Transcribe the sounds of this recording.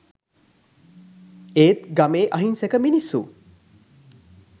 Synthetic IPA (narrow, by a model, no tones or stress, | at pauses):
eːt̪ɡɐmeːʔɐɦinsekəminisṵ